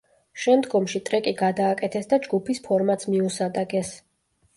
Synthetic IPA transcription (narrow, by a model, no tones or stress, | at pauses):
ʃɛmd̪ɡɔmʃit̪ʼɾɛkʼiɡad̪aːkʼɛt̪ʰɛsd̪ad͡ʒɡupʰispʰɔɾmat̪smiusad̪aɡɛs